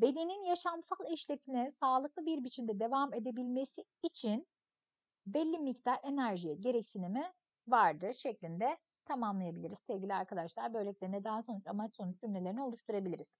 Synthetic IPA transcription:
be̞d̪eninjaʃamsalˠɛʃlʲefinɛsaːlˠɯklˠɯbiɾbit͡ʃʰimd̪ɛd̪e̞vame̞d̪e̞bilʲme̞siːt͡ʃʰin | vɛlʲːimict̪ʰaɾe̞næɾʒijɛɟe̞ɾɛcsinimi | vaɾd̪ɯʃeclʲind̪ɛ | t̪ʰamamlˠajabilʲiɾizsɛvɟʲilʲiaɾkʰad̪aʃlˠaɾbø̞jlʲecʲlʲeinɛd̪aɦso̞nut͡ʃamat͡ʃso̞nut͡ʃd͡ʒynlʲeeɾinio̞lˠuʃt̪ʰuɾabilʲiɾiz̥

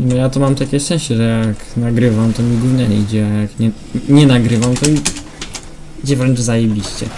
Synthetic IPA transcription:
inɔjat̪ɔmamt̪akʲɛʂɛ̃ɕt͡ɕɛʐɛjaknaɡɾɘvamt̪ɔmʲiɡuvɲɛɲɛ̰id͡ʑɛajakɲɛ | ɲɛnaɡɾɘvamt̪ɔi | id͡ʑɛvɾɛnʐzajebʲiɕt͡ɕɛ̰

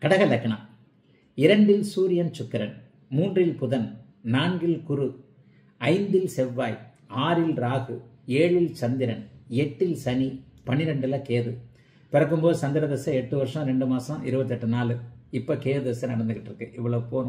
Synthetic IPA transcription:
kɐɽɐɣɐlɐkːɐɳɐm | ɪɾɐɳɖɪlsuːɾɪjɐnt͡ʃʊkːɪɾɐn | muːndrɪlpʊðɐn | naːnɡɪlkʊɾɯ | ɐɪnd̪ɪlsɛʋːaːj | aːɾɪlɾaːɣɯ | eːɻɪlt͡ʃɐnd̪ɪɾɐnɛʈːɪlsɐnipɐɳɪɾɐɳɖɪlɐkeːðɯ | pɪɾɐk̬ːɯmpoːðɯsɐnd̪ɪɾɐðɛsːɐɛʈːɯʋɐɾʂɐ̃ɾɛɳɖɯmaːsɐ̃ɪɾɯbɐt̪̬ːɛʈːɯnaːlɯɪpːɐkeːðɯðɛsːɐnɐɽɐnd̪ɯɣɪʈːɾɯkːɯʔɪʋːɐɭɐʋɯpoː

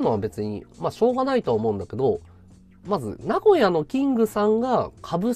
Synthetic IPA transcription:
no̞βabe̞t͡sɨɲ̟ḭmaɕo̞ːɡanait̪oaːmo̞ɯ̟̃nd̪ake̞d̪o̞ | mazɨ̰naɡo̞jano̞kʲĩŋɡɯ̟sãŋɡakʰabɯ̟

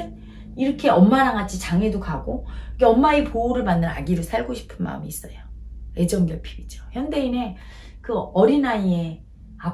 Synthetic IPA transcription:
n | iɾʌkʰe̞ʌmːaɾaŋat͡ɕʰit͡ɕaŋe̞dokaɡoɯkeʌmːaepouɾɯɭmanːɯna̰ɡiɾɯɭsʰaɭɡoɕʰi̥pʰɯnma̰ɯ̰miːs͈ʌjoe̞d͡ʑʌŋɡjʌɭpʰi̥bid͡ʑo̥çjʌnde̞ine̞ | kɯʌɾinaie̞ | a

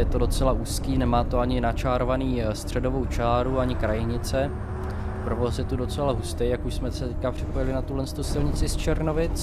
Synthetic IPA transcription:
jɛt̪odo̞t͡sɛlaʔuːskiːnɛmaːt̪oaɲɪnat͡ʃaːɾovaniːst̪r̝̥ɛdo̞vo̞wt͡ʃaːɾuaɲɪkɾajɪɲɪt͡sɛ | pɾovosjɛt̪udo̞t͡sɛlaɦust̪ɛjakuʃsmɛsɛt̪ɛckapr̥ɪpojɪlɪnat̪ulɛnst̪usɪlɲɪt͡sɪst͡ʃɛɾnovɪt͡s

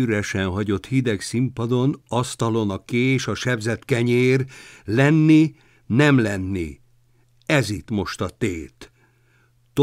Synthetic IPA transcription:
yɾɛʃɛnɦɒɟo̞t̪hid̪ɛksimpɒd̪o̞nɒst̪ɒlo̞nɒkeːʃɒʃɛbzɛt̪kɛɲeːrlɛnːi | nɛmlɛnːḭ | ɛzit̪mo̞ʃt̪ɒt̪eːt̪ | t̪

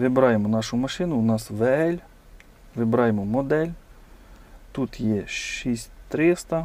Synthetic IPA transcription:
ʋɪbɾɑjemɔnɑʃʊmɐʃɪnʊʊnɑsʋeɛlʲ | ʋɪbɾɑjemɔmɔd̪ɛlʲ | t̪ut̪jɛʃisʲt̪ɾɪst̪ɐ

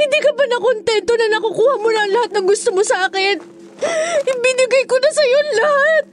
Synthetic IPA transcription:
hɪnd̪iːkɐpɐnɐkont̪ɛnt̪o̞nɐnɐkakuːhɐmʊnɐɐŋlɐhat̪̚nɐŋɡʊst̪omosɐʔaːkɪn | bɪnɪɡɐjkonɐsɐjonlɐhat̪̚

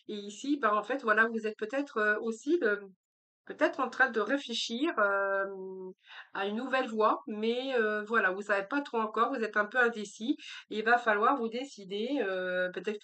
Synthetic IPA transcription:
eisibaɑ̃fɛt̪vwalavuzɛt̪̚pøt̪ɛt̪χøosilə | pøt̪ɛt̪χɑ̃t̪χɛ̃d̪əʁefleʃiʁø | aynːuvɛlvwamɛøvwalavusavepat̪χoɑ̃kɔʁvuzɛt̪ɛ̃pøɛ̃d̪esieilvafalwaʁvud̪esid̪eøpøt̪ɛt̪χ

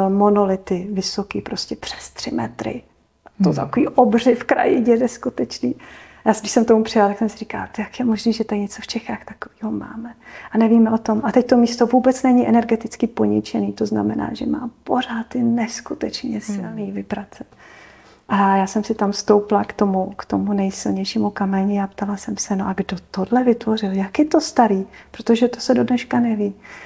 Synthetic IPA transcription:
monolɪt̪ɪvɪso̞kiːpɾo̞scʲɛpr̝̥ɛ̥st̪r̝̥ɪmɛt̪ɾɪ̰ | t̪ot̪a̰kovḭːʔobr̝ɪfkɾa̰jɪɟɛdɛskut̪ɛt͡ʃniːjaːdɪʃsɛmkt̪omupr̥ɪjalat̪aksɛmsɪɾika̰lt̪jakjɛmoʒniːʒɛt̪aɾɲɛt͡soft͡ʃɛxaːxt̪ḁkoviːɦoma̰ːmɛʔanɛviːmɛʔo̞t̪o̞mʔat̪ɛct̪o̞miːst̪o̞vuːbɛt͡snɛɲɪʔɛnɛɾɡɛt̪ɪt͡skɪpo̞ɲɪt͡ʃɛniːt̪o̞zna̰mɛna̰ːʒɛ̰ma̰ːpo̞ɾ̝aːt̪ːɪnɛskut̪ɛt͡ʃɲɛsɪ̰lniːvɪbɾat͡sɛt̪ | ʔajaːsɛmsɪt̪amfst̪o̞wplakt̪o̞mukt̪omunɛjsɪlɲɛjʃiːmukamɛɲɪapt̪alasɛmsɛnoʔaɡdo̞t̪odlɛvɪt̪vo̞r̝ɪljakjɛt̪o̞st̪aɾiːpɾot̪oʒɛt̪osɛdo̞dnɛʃkanɛviː

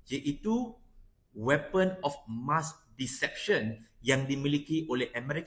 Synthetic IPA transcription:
d͡ʒeʔitu | wɛpə̃nɔfmasdisɛp̚ʃə̃njãŋdimilikeoleʔəmɛɾik

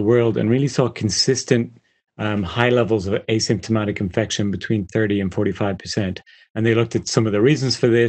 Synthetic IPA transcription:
əwɜ˞lˠdə̰̃nɹilˠisɔkʰn̩sɪstɨ̃nt | mhaɪlɛvəl̩ˠzʌveɪsɪ̃mp̚tʰəmaɾɨkɨ̃ɱfɛkʃə̃nbɨtʰw̥ĩnθɜ˞ɾiɨ̃nfɔɹɾifaɪv̥pʰə̥˞sɛ̃nt | ə̃nðeɪlʊk̚tɨtsʌ̃mʌvðəɹizə̃nz̥fə˞ðɪ

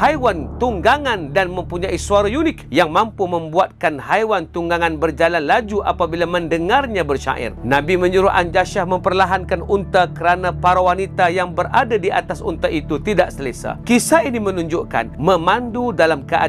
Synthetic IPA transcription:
hajwant̪uŋɡaŋandanmə̃mpuɲaisuaɾajunɪkjaŋmampumə̃mbuat̪̚kanhajwant̪uŋɡaŋanbərd͡ʒalanlad͡ʒuʔa̰pabilaməndəŋarɲãbərʃa̰ʔɪ̰rnabimə̃ɲuɾuʔa̰nd͡ʒaʃahmə̃mpərlaɦankanunt̪akəɾanãpaɾawanit̪ajaŋbəɾadadiat̪asṵnt̪aʔit̪ut̪idaʔsələsa̰kisainimənuɲd͡ʒuʔka̰nmə̃mandudalamkəʔa̰

